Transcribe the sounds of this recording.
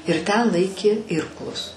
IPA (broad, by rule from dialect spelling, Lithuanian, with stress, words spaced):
ɪr ˈtʲɛn ˈlˠɐɪkʲeː ˈɪrklˠʊs